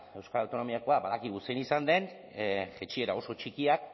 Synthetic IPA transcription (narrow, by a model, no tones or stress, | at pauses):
e̞wskaɾawt̪o̞no̞miako̞abaðakiɣ̞usenisand̪e̞n | ʝet͡ʃie̞ɾao̞so̞t͡ʃikiak̚